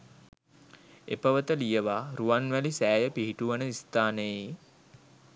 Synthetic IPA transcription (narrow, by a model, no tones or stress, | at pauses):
ḛpəʋət̪əlijəʋaɾuʋanʋælisæːjəpiɦiʈuʋənəist̪aːnəjəi